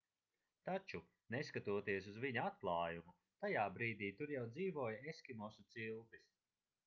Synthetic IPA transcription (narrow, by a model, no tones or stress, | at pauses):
t̪at͡ʃu | neskat̪uɔt̪iɛsuzviɲuat̪̚plˠaːjumu | t̪ajaːbɾiːd̪iːt̪uɾjawd̪ziːvɔːjaeskʲimɔsut̪silbis